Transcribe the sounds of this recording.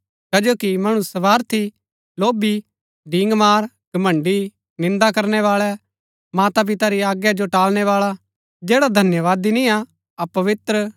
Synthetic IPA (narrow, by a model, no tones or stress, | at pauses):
kɐd͡ʒoːkimɐɽ̃ʊsɐʋaːɾt̪ʰi | loːbi | ɖɪ̃ːŋɡmaːɾ | ɡ̥ɐmɐ̃ɳɖi | nɪ̃nd̪akɐɾnɛʋaːɭɛ | maːt̪ap̬ɪt̪aɾiaːɡjad͡ʒoʈaːlñɛʋaːɭa | d͡ʒeːɽad̪ʱɐnjəʋaːd̪inĩa | ɐpɐʋɪt̪ɾə